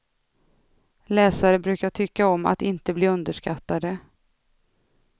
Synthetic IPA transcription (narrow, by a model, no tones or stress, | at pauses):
lɛːsaɾəbɾʉ̟ːkaʈʰʏkːaɔma̰t̪ɪnt̪əbliːɵnd̪əʂkat̪ːad̪ə